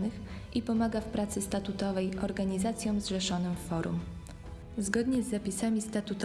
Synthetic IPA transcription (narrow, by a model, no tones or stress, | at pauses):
nɘx | ʔipɔmaɡafpɾat̪sɘst̪at̪ut̪ɔvɛjɔɾɡaɲizat̪sʲjɔ̃w̃zʐɛʂɔnɘmfɔɾṵm | zɡɔd̪ɲɛzːapʲisamʲist̪at̪ut̪